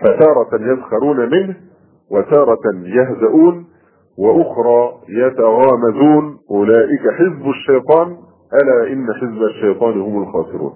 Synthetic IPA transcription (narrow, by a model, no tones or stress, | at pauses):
fat̪ɑːɾˤɑjazxɑɾuːnamɪnh | wat̪ɑːɾˤɑjahzaʔuːn | wɪʔʊxɾˤɑːjat̪aɣaːmazuːnʔʊlaːʔɪkaħɪzbaʃːajt̪ˤɑːn | ʔalaːʔɪnːaħɪzbaʃːajt̪ˤɑːnhʊmʊlxɑːsɪɾṵːn